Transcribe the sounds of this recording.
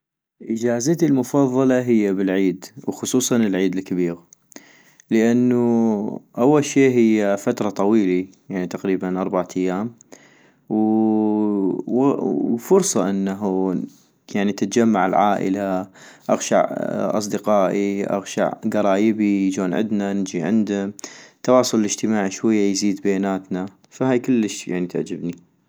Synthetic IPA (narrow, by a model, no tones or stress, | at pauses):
ʔɪd͡ʒaːzat̪ilmʊfɑðˤːɑlɑɦɪjːabɪlʕiːd̪wxʊsˤuːsˤɑnɪlʕiːd̪ɪlkabiːɣ | ləʔanːuʔawːalʃeːɦɪjːafat̪ɾˤɑt̪ˤɑwiːlijaʕnit̪aqɾiːbanʔɑɾˤbaʕat̪ajːaːm | w | fʊɾsˤɑʔɪnːaɦu | jaʕnit̪ɪt̪d͡ʒamːaʕɪlʕaːʔɪ̰laʔaɣʃa̰ʕʔɑ̰sˤd̪ɪqɑːʔiʔa̰ɣʃa̰ʕɡɑɾˤɑːjɪbijd͡ʒoːnʕɪ̰d̪nanɪd͡ʒiʕɪ̰nd̪at̪ːɑwɑːsˤʊllɪd͡ʒt̪ɪmaːʕʃwajːajziːd̪bajaːnaːt̪na | faɦaːjkəlːəʃja̰ʕnit̪aʕd͡ʒɪbni